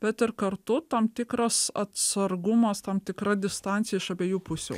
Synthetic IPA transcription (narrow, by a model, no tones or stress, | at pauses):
bʲɛt̪ɪɾkɐrt̪ʊt̪ɐmt̪ʲɪkɾɐsɐt̪sɐɾɡʊmɐst̪ɐmt̪ʲɪkɾɐd̪ʲɪst̪ɑˑnʲtsʲɪjɛɪʃɐbʲeːjuːpʊsʲṵː